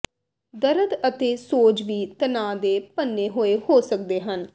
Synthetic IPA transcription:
d̪əɾəd̪ət̪eːsoːt͡ʃʋiːt̪ənãːd̪eːpənːeːɦoːeːɦoːsək̚d̪eːɦən

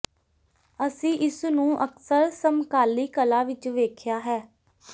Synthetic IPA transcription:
əsĩːʔɪsnũːʔəksəɾsəmkaːliːkəlaːʋɪt͡ʃʋeːkʰjaːɦɛː

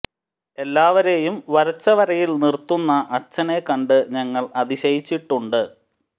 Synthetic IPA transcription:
e̞lːaːʋɐɾejumʋɐɾɐt͡ɕːɐʋɐɾɐjilnirt̪ːunːɐʔɐt͡ɕːɐne̞kːɐɳɖɨɲɐŋːɐɭɐðiɕɐjit͡ɕːiʈːuɳɖɨ

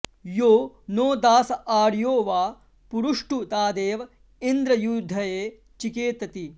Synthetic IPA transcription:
joː | noːd̪aːsɐʔaːɾjoːʋaː | puɾuʂʈut̪aːd̪eːʋɐ | ind̪ɾɐjud̪ʱːɐjeː | t͡ʃikeːt̪ɐt̪i

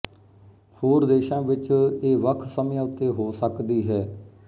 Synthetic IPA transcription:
hoːɾd̪eːʃãːʋɪt͡ʃeːʋəkʰsəmãːʊt̪ːeːɦoːsəkd̪iːɦɛː

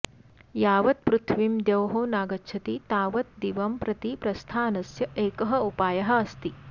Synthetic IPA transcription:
jaːʋɐt̪̚pɾut̪ʰʋimd̪jɐwɦoːnaːɡɐtːt͡ʃʰɐt̪it̪aːʋɐt̪̚d̪iʋɐmpɾɐt̪ipɾɐst̪ʰaːnɐsjɐʔeːkɐɦɐupaːjɐɦɐɐst̪i

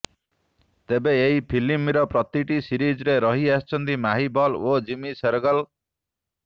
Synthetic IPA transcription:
t̪ebeeipʰilimiɾʌpɾʌt̪iʈisiɾid͡zɾeɾʌɦiast͡ʃʰʌnt̪imaɦibʌlod͡ʒimiseɾɡʌl

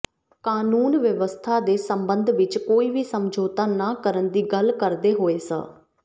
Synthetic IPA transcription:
kaːnuːnʋjəʋəst̪ʰaːd̪eːsəmbənd̪ʱʋɪt͡ʃkoːiːʋiːsəmd͡ʒoːt̪aːnaːkəɾənd̪iːɡəlkəɾd̪eːɦoːeːsə̰̃ː

